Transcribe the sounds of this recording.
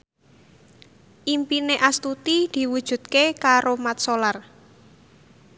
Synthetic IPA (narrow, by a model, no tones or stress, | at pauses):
ʔimpineʔast̪ut̪id̪̥i̤wud̥ʒ̥ṳd̪̥kekaɾomat̪̚solar